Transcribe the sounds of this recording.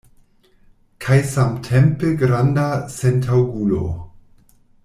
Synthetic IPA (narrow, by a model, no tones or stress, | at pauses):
kʰajsamtʰempeɡɾandasentʰawɡulo̰